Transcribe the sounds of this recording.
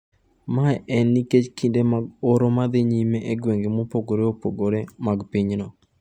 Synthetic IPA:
maɛʔɛnːiket͡ʃkindemaɡoɾomad̪eɲimeʔeɡweŋɡemopoɡoɾeopoɡoɾemaɡpiɲnɔ

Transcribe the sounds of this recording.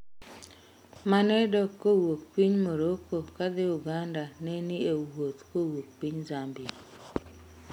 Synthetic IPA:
manɛdɔkːowok̚piɲmoɾokokad̪ɪʊɡandanɛniewwot̪kowok̚piɲzambɪ

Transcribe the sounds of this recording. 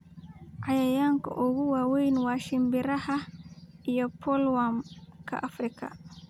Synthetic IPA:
ʔajɐjaːŋkʰɐ̰ʔɔɣuwaːwɛjnwaːʃɪmbɪɾɐhɐijɔpʰɔlwamkʰɐ̰ʔafɾɪkʰɐ̰

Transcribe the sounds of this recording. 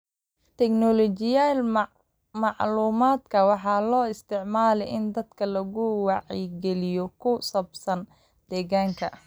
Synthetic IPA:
t̪ʰɛknɔlɔt͡ʃɪjaːl | mɑʕluːmaːd̪kʰɐwɑħɑːlɔːɪst̪ʰɪʕmaːlɛjʔɪnd̪ɐd̪kʰɐlɐɣʊwɑʕḭɡɛlɪjɔkʰʊsɐbsɐn | d̪̥ɛːɣaːŋkʰɐ

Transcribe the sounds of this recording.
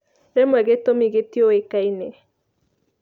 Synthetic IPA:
ɾemwɛɣetomiɣetiowekaine

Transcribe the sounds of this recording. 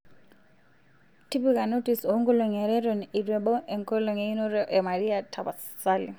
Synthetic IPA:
tipikanotisoŋɡɔlɔŋɛɾɛɾɔnidwɛbɔʔeŋkɔlɔŋeinɔɾɔʔemaɾiatʰabas | alḭ

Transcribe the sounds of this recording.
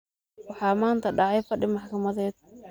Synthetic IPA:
wɑħɑːmaːnt̪ʰɐɖɑʕɑjfɐɖɪmɑħkʰɐmɐðɛːd̪̥̚

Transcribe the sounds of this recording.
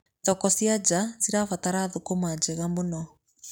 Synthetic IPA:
ðɔkɔsiad͡ʒaziɾafataɾaːðokomad͡ʒɛɣamonɔ

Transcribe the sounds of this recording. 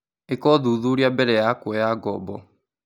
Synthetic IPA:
ekɔðuːðuɾiabɛɾɛjakwɔjaɡɔ̰bɔ

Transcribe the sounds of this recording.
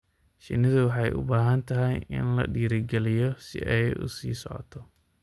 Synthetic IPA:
ʃɪ̰nːɪðʊwɑħɑjʔʊ̰baːɦɐnt̪ʰɐɦɛjɪ̰nlɐ̰ɖiːɾɪɡɛlɪjɔsɪ̰ʔɛjʊ̰sḭːsɔʕɔ̰t̪ʰɔ

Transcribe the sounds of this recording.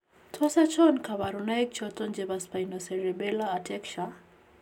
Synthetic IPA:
tʰɔsat͡ʃɔnkaβaɾunajk̚t͡ʃɔtɔnd͡ʒɛbaspajnɔsɛɾɛbɛlaːtʰɛkʃa

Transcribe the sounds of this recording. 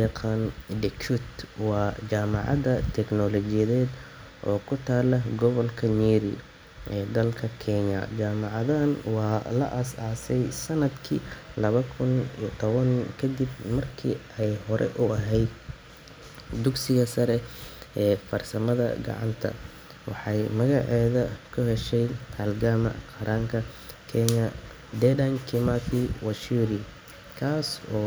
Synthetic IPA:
ɑqʰɑːnɖɛkʊt̪wɑːt͡ʃaːmɑ̰ʕɑ̰ðɐt̪ʰɛknɔlɔt͡ʃɪjɐðɛːd̪ | ʔɔːkʰʊt̪ʰaːlɐɡɔβɐlkʰɐniːɾḭ | ʔɛːd̪ɐlkʰɐkʰɛɲɐ̰t͡ʃaːmɑʕɑðɐnwɑːlɐ̰ʔɐsaːsɛjsɐnɐd̪kʰḭlɐβɐkʰʊnit̪ʰɔβɐnkʰɐd̪ɪb̚mɐrkʰḭ | ɛjhɔɾʔɛ̰ʔʊɐɦɛjd̪ | d̪ʊɡsɪɣɐsɐɾɛʔɛːfɐrsɐmɐðɐ̰ɡɑ̰ʕɑ̰nt̪ʰɐ̰ | wɑ̰ħɑjmɐɣɑʕɛːðɐkʰʊhɛʃɛjɐlɡaːmɐ̰qɐɾʔaːŋkʰɐ | kʰɛɲɐ | d̪ɛdɐŋkʰɪmat̪ʰiwɐʃuːɾi | kʰaːsɔː

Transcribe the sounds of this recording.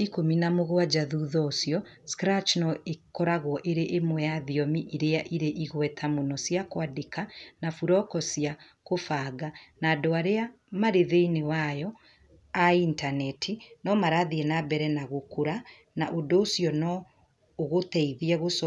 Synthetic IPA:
ikominamoɣwad͡ʒaðuːðɔosjɔ | skɾat͡ʃnɔekɔɾaɣwɔʔeɾeʔemwɛjaðiɔmiʔiɾeaʔiɾeʔiɣwɛtʰamonɔsjakwadekanafuɾɔkɔsia | kofaːɡanaːdoaɾea | maɾeðeinewajɔ | aintanɛtʰinɔmaɾaðiɛnabɛɾɛnaɣokoɾa | naʔodoosjɔnɔː | ɣotɛiðiɛɣosɔ

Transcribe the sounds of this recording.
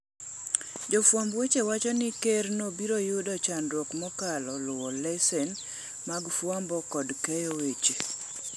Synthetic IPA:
d͡ʒɔfwambwet͡ʃewat͡ʃɔnɪkernobiɾojʊdɔt͡ʃandwɔkmɔkalɔlʊwɔlɛsɛn | maɡfwambɔkɔdkɛjowet͡ʃe

